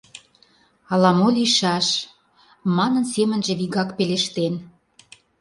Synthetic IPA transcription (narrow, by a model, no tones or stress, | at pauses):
ɑlɑmoliʃɑʃ | mɑnə̆nsemə̆nʒĕβiɣɑkpeleʃt̪en